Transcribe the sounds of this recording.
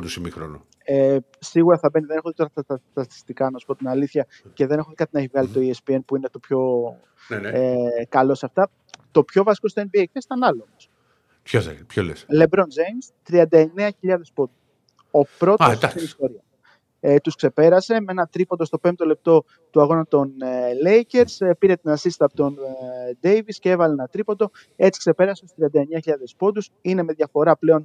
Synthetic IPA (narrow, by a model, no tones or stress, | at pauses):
d̪usimixɾo̰nṵ | e | siɣuɾɐθɐbe̞niðene̞xod̪et̪oɾɐɐt̪ɐt̪i̥st̪ikɐnɐsu̥po̞t̪inɐliθçɐ | ceðene̞xod̪ekɐt̪inɐivɐlit̪o̞iespienpuinet̪o̞pço̞ | ekɐlo̞sɐft̪ɐ | t̪o̞pço̞vɐsi̥ko̞st̪enbiekest̪ɐnɐlomos | pçoḛpçolḛsle̞bɾo̞nd͡zejmst̪ɾiɐnd̪ɐeneɐçiʎɐðe̞spo̞d̪u | o̞pɾo̞tosd̪st̪inist̪o̞ɾiɐ | t̪uskse̞pe̞ɾɐse̞meenɐt̪ɾipond̪o̞st̪o̞pe̞mt̪o̞le̞p̚t̪o̞ | t̪uɐɣo̞nɐt̪o̞nle̞jce̞ɾspiɾe̞t̪inɐsisi̥t̪ɐpot̪ond̪e̞jviscee̞vɐleenɐt̪ɾipod̪o̞ | e̞t͡si̥kse̞pe̞ɾɐseost̪ɾiɐnd̪ɐeɲɐçiʎɐðe̞spo̞d̪usine̞meðʝɐfo̞ɾɐple̞o̞n